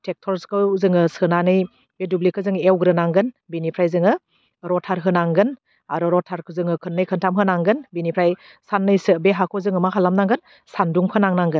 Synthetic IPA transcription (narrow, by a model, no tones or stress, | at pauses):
tʰek̚tʰɔɾskʰɯwzɯŋɯsɯnanɯj | edublikʰɯzɯŋewɡɾɯnaŋɡɯn | binipʰɾajzɯŋɯ | ɾɔtʰaɾɦɯnaŋɡɯn | aɾɔɾɔtʰaɾkʰɯzɯŋɯkʰɯnːɯjkʰɯntʰamɦɯnaŋɡɯnbinipʰɾaj | sanːɯjsɯbeɦakʰɔzɯŋɯmaɦalamnaŋɡɯn | sanduŋpʰɯnaŋnaŋɡɯn